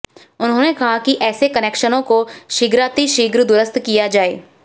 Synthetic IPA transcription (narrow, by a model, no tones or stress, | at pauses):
ʊnɦõːnekɐɦakiʔɛːsekɐneːkʃənõkoʃiːɡɾaːt̪iʃiːɡɾd̪ʊɾəst̪kijad͡ʒaːḛː